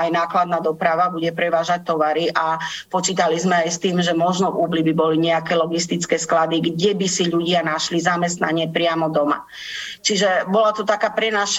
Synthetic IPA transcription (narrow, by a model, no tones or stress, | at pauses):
ajnaːklad̪naːd̪ɔpɾaʋabuɟɛpɾɛʋaːʒac̚t̪ɔʋaɾiʔapɔt͡ʃiːt̪alizmɛajst̪iːmʒɛmɔʒnɔvuːblibibɔliɲɛakɛːlɔɡist̪it͡skɛːsklad̪iɡɟɛbisiʎuɟɪanaʃlizamɛst̪na̰ɲɪɛpɾɪamɔd̪ɔma̰ | t͡ʃiʒɛbɔlat̪ɔt̪akaːpɾɛnaʃ